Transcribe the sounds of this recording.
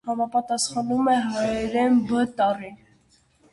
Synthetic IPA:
hɑmɑpɑt̪ɑsχɑnumɛɦɑjɛɾɛnbət̪ɑrin

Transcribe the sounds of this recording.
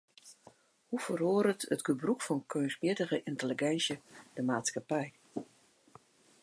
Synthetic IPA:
hufəroːɾətətɡəbrukfɔnkʰøːnsmjɪdəɣəʔɪntəliɡɛnsjəd̥əmaːtskapɛj

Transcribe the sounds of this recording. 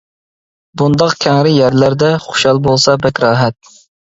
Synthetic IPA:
bund̪ɑqkʲʰɛŋɾɪjæɾlæɾd̪ɛχʊ̥ʃɑlˠbolˠsɑbɛkʲɾɑːɦɛt̪̚

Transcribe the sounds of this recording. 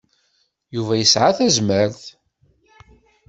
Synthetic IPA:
juvæjəsʕaθæzməɾθ

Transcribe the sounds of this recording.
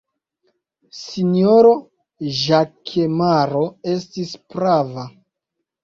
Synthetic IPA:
sinioɾo̞ | ʒakʰemaɾo̞e̞stispɾava

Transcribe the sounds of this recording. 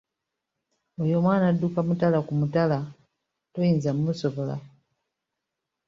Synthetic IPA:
ɔjɔmwanadukamutalakumutala | tɔinzam̩musɔvɔla̰

